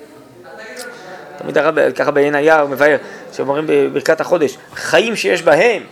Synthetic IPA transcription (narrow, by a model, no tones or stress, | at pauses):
t̪amḭd̪aʁabekaχabejenajaumevaeʁʃemomʁimbebiʁkat̪haχo̞d̪e̞ʃ | χajimʃejeʃbaɦe̞m